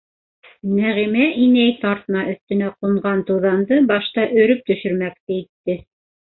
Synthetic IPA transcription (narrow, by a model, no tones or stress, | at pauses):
næʁimæʔinæjt̪ɑɾt̪ɤ̆nɑʔɵ̆θt̪ɘ̆næqŏɴɢɑnt̪ɤ̆ðɑnd̪ɤbɑʃt̪ɑʔɵ̆ɾɵp̚t̪ɵ̆ʃɵ̆ɾmæk̚t̪ɘit̪ːɘ